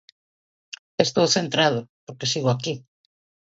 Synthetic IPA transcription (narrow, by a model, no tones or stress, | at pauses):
est̪owθent̪ɾaðʊpoɾkesiɣoaki